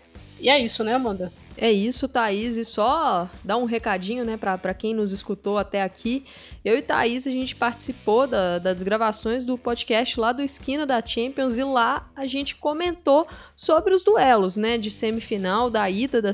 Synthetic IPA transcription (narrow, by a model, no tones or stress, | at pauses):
iɛisʊnɛmɐ̃d̪ɐ | ɛisʊt̪aizɪsɔd̪aũɦekad͡ʒĩɲʊnɛpɾɐpɾɐkẽj̃nʊziskut̪owat̪ɛakʰi | ewɪt̪a̰izɐʒẽnt͡ʃɪ̥paɾt͡ʃɪ̥sipod̪ɐd̪ɐzɡɾavasõj̃zd̪ʊpɔd͡ʒɪkɛst͡ʃɪlad̪ʊiskĩnɐd̪ɐt͡ʃẽmpiõzɪlaɐʒẽnt͡ʃɪ̥kõmẽnt̪o | sobɾɪʊzd̪uɛlʊznɛd͡ʒɪsẽmifinawd̪ɐid̪ɐd̪ɐ